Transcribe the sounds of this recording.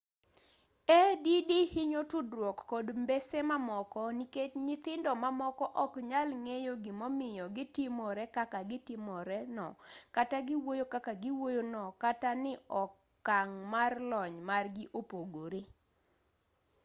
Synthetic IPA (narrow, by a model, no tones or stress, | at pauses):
ɛdidihiɲotudɾwɔkːɔdmbesemamɔkɔniketɲɪt̪ɪndɔmamɔkɔʔɔkɲalŋejoɡɪmɔmɪjɔɡɪtɪmɔɾɛkakaɡɪtɪmɔɾɛnɔkataɡɪwojokakaɡɪwojonɔkatanɪɔkː | aŋmarlɔɲmarɡɪʔopoɡoɾe